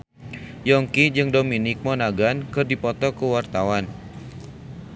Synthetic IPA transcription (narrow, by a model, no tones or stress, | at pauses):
jɔŋkid͡ʒɨŋdominɪk̚mɔnaɡankɨrdipɔt̪ɔkəwart̪awan